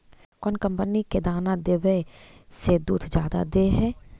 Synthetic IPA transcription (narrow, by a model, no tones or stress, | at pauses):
kɔːnkə̃mpəniked̪aːnad̪eʋesed̪uːt̪ʰd͡ʒjaːd̪a̰d̪eɦɛː